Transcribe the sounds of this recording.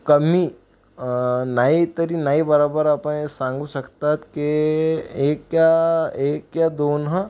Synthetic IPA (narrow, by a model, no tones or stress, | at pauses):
kɐmi | nait̪əɾinaibəɾaːbəɾapẽsãːŋɡusɐkt̪at̪ke | eːkːjaeːkːjad̪oːnɦã